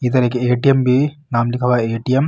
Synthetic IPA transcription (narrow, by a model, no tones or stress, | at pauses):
iːt̪̬ɐɾɐkːɯeːʈiembinaːmlikʰɐʋaeːʈijem